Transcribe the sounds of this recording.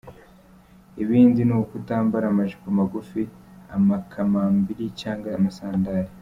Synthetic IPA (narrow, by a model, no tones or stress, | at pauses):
iβiːndinukutaːmbaɾamaʒikumaɡufi | a̰makʰamambiɾicaːŋɡamasaːndaːɾi